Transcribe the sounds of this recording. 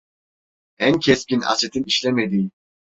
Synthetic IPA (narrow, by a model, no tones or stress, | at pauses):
æncʰescina̰set̪ʰiniʃlɛmed̪i